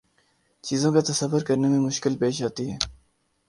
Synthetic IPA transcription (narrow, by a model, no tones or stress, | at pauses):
t͡ʃiːzõkat̪ɐsɐʋːʊɾkɐɾnemẽmʊʃkɪlpeːʃaːt̪iɦɛː